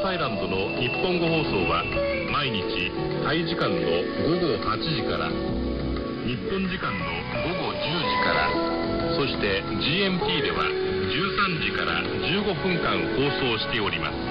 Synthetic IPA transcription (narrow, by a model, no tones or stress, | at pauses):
saiɾãnd̪o̞no̞ɲʲipːõ̞ŋɡo̞ɦo̞ːso̞ːβa | maiɲ̟it͡ɕi | t̪aiʑikãnːo̞ | ɡo̞ɡo̞hat͡ɕiʑikaɾa̰ | ɲ̟ipːõ̞ɲd͡ʑikãnːo̞ | ɡo̞ɡo̞d͡ʑɨːd͡ʑikaɾa̰ | so̞ɕi̥t̪e̞ | d͡ʑiːẽ̞mɯ̟pʲiːd̪e̞βa̰ | d͡ʑɨːsãɲ̟d͡ʑikaɾa̰ | d͡ʑɨːɡo̞ɸɯ̟̃ŋkãŋ̃ho̞ːso̞ːɕi̥t̪e̞o̞ɾʲima̰sɨ̥